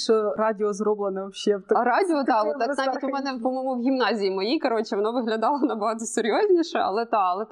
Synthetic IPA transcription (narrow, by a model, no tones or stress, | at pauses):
ʃɔɾɑdʲɪɔzrɔblˠenɛʃɛwt̪ɾɑdʲɪɔt̪ɑʋɔt̪ːɑnɑʋʲitʲʊmɛnɛpɔmɔmʊwɦʲimnɑzʲijimɔjikɐɾot͡ʃɪʋɔnɑʋɪɦlʲɐd̪ɑlˠɐʋɔnɑbɐɦɑt̪ɔseɾʲjozʲnʲiʃɛɐ̰lˠɛt̪ɑɐlˠɛ